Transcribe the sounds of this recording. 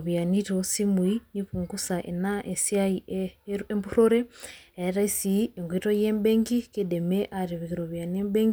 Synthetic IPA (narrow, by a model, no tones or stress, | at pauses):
βjaniɾosimwiniβuŋɡusaʔḛnaʔesjai | embuɾoɾeeɾaisieŋɡwiɾojembeːŋɡikedemeʔaɾeβiɣiɾoβjanembeŋɡi